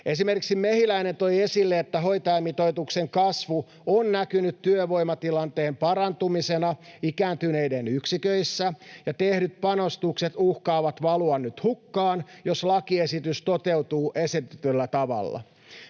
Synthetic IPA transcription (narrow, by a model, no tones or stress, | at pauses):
e̞s̬ime̞rkiksimmehilæine̞nt̪o̞je̞silːeːt̪ːæɦo̞jt̪ɑɑmːit̪o̞jt̪ukse̞ŋkɑsʋu | onnækynyt̪tːyøʋo̞jmɑt̪ilɑnt̪e̞ːmpɑɾɑnt̪umise̞nɑikæːnt̪yne̞jdenyksikøisːæjɑt̪e̞hdyt̪̚pɑno̞st̪ukse̞t̪uhkɑːʋɑt̪ʋɑluɑnːyt̪hukːɑːnjo̞slɑkiesit̪yst̪o̞t̪e̞wt̪uːʔe̞sit̪yt̪ylːæt̪ɑʋɑ̰lːɑ̰